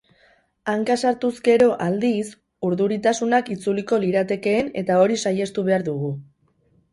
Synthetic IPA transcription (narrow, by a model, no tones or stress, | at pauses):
aŋkasaɾt̪uzɡe̞ɾo̞ʔald̪is | uɾðuɾit̪asunakit͡suliko̞liɾat̪e̞ke̞ːne̞t̪ao̞ɾisaje̞st̪uβ̞e̞aɾðuɣ̞u